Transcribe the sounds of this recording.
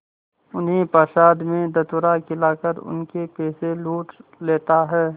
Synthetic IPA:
ʊnɦẽpaːʃaːd̪mẽd̪ɐt̪ʊɾakɪlaːkəɾʊ̰nkepeːseluːʈleːt̪aɦɛː

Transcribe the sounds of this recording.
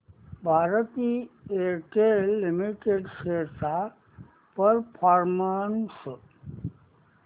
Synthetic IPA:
bʱaɾət̪ieʈelːimiʈeɖseta | pəɾpʰaɾmans

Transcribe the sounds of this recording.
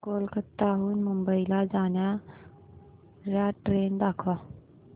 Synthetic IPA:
koːlkət̪aɦuːnmumbəilad͡zaːnja | ɾjaʈɾeːnd̪aːkʰʋa

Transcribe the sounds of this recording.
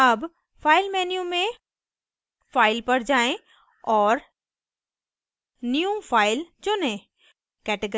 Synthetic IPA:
ɐb | fʰaːɪlmɛːnijũmẽ | faːɪlpɐɾd͡ʒaːẽ | ɔːɾ | nijũfʰaːɪld͡ʒoːnẽ | kɛːʈeɡ

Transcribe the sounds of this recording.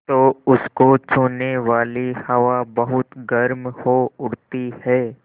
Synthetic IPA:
t̪oːʊskot͡ʃʰuːneʋaːlihɐʋabɐɦʊt̪ɡɐɾmhoʊɽt̪ihɛː

